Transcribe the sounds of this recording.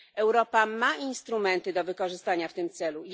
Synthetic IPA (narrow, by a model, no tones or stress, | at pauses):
ɛwɾɔpamainst̪ɾumɛnt̪ɘd̪ɔvɘkɔʐɘst̪aɲaft̪ɘmt̪sɛlu